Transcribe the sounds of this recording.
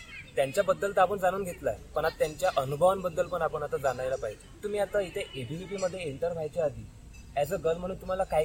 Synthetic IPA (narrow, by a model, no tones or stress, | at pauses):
t̪jaɲt͡ɕjabəd̪ːəlt̪aʋuːnd͡zañuːnɡʱet̪la̰pəɳat̪ːjaɲt͡ɕjaʔənubʱəʋənbəd̪ːəlpəɳapəɳat̪ad͡zanajlapaɦid͡ʑet̪um̤iːat̪ait̪ʰeʔebʱiipiməd̪ʱːjeeɳʈəɾʋʱajt͡ɕead̪ʱiː | at͡səɡəlm̤əɽ̃uːnt̪um̤alakaj